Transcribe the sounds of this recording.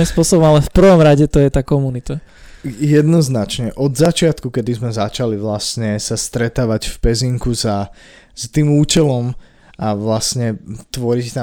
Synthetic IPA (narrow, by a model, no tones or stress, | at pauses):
ĩspʊɔsɔbɔmalɛfpr̩ʋɔmɾaɟɛt̪ɔjɛt̪aːkɔmunit̪a | jɛd̪nɔznat͡ʃɲɛʔɔd̪zat͡ʃɪat̪kukɛd̪izmɛzat͡ʃaliʋlasɲɛsast̪ɾɛt̪aːʋacfpɛziŋkuza | st̪iːmuːt͡ʃɛlɔm | aʋlasɲɛt̪ʋɔɾict̪a